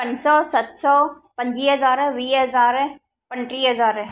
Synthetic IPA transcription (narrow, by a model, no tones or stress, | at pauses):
pɐ̃ɲd͡ʒsɔːsɐt̪sɔː | pɐ̃ɲd͡ʒiːɦɐzaːɾʋiːɦɐzaːɾ | pɐɳʈɾiːɦəzaːɾ